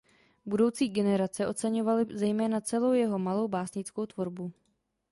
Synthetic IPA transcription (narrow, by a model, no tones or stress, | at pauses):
budo̞wt͡siːɡɛnɛɾat͡sɛʔo̞t͡sɛɲovalɪzɛjmɛːnat͡sɛlo̞wjɛɦo̞malo̞wbaːsɲɪt͡sko̞wt̪vo̞ɾbu